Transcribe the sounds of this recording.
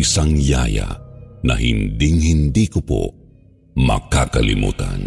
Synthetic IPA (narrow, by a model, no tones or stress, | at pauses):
isaŋjaːjanɐɦɪnd̪iŋhɪnd̪iːkopo̰ | mɐkakɐlɪmṵːt̪ɐn